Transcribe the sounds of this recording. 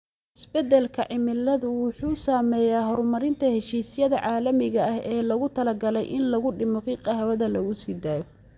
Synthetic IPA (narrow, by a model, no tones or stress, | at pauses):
ɪsbɛd̪ɛlkʰɐʕɪmɪlːɐðʊwʊħuːsaːmɛːjaːɦɔɾmɐɾɪnt̪ʰɐhɛʃiːsjɐðɐʕɑːlɐmɪɣɐɐhɛːlɐɣʊt̪ʰɐlɐɡɐlɛjʔɪnlɐɣʊɖɪmɔkʰiqɑɦɐwɐðɐlɐɣʊsiːd̪aːjɔ